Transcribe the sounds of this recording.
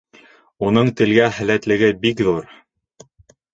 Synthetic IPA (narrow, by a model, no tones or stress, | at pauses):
unɤɴt̪ɘ̆lɡæhæ̆læt̪lɘ̆ɡɘbikðuɾ